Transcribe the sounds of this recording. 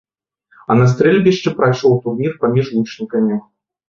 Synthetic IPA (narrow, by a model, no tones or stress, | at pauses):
ɐnɐs̬t̪ɾʲelʲbʲɪɕːɪpɾɐʂolˠt̪urnʲirpɐmʲiʐlˠut͡ɕnʲikəmʲɪ